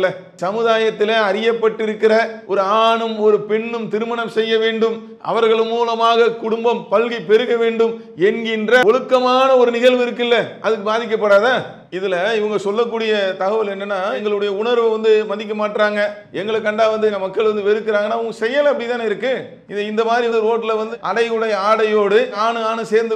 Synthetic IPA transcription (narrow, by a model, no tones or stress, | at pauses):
lɐ | sɐmɯðaːjɐt̪ːɪleɐɾɪjɐpːɐʈːɪɾɯkːɪɾɐʔɔɾɯaːɳɯmɔɾɯpɛɳːɯmt̪ɪɾɯmɐɳɐmsɛjːɐʋeːɳɖɯm | ʔɐ̰ʋɐɾɣɐɭmːuːlɐmaːɣɐkʊɽʊmbɐmpɐɻɣipɛɾɯɣɐʋeːɳɖɯm | ɛnɡɪndrɐɔɭɯkːɐmaːnɐɔɾɯnɪɣɐɭʋɪɾɯk̬ːɪlːɐʔɐðɯkːɯbaːðɪk̬ːɐpːɐɽaːðaː | ɪðɪlɐɪʋɐŋɡɐsɔlːɐk̬ːuːɽɪjɐt̪ɐɣɐʋɐlɛnːɯnːaːɛŋɡɐɭɯɽɐjɐʊɳɐɾʋʋɐnd̪ɯmɐnd̪ɪk̬ːɐmaːʈːɾaːŋɡɐ | ɛŋɡɐɭɯkːɐɳɖaːʋɐnd̪ɯnɐmɐkːɐɭʋɐnd̪ɯʋɛɾɯkːɪɾaːŋɡɐnːaːɪʋɐŋɡɐsɛjːɐlɐɐpːɐɽɪt̪ːaːnɪɾɯkːɯ | ɪɪnd̪ɐmaːðɾiɐnd̪ɯɾoːʈːɪlɐʋɐnd̪ɯɐɽɐɪɯɽɐjɐaːɽɐjoːɽɯaːnɯaːnɯseːɾnd̪ɯ